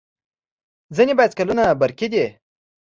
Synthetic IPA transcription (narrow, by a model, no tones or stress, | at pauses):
zinebajat͡skalunabaɾkid̪e